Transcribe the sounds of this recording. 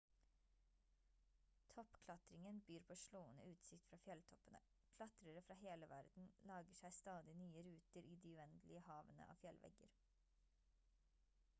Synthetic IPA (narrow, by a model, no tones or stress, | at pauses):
t̪ʰɔpkʰlɑt̪ɾɪŋənbyːɾpʰoːʃloːənə̰ʉːt̪sɪkt̪fɾɑːfjɛlt̪ʰɔpənə | kʰlɑt̪ɾəɾəfɾɑːheːləʋæɾd̪n̩lɑːɡəʃæɪst̪ɑːd̪ɪnyːəɾʉːt̪əɾʔiːd̪iːʉɛnd̪lɪəhɑːʋənə̰ʔɑ̰ːfjɛlʋɛ̰ɡə̰ɾ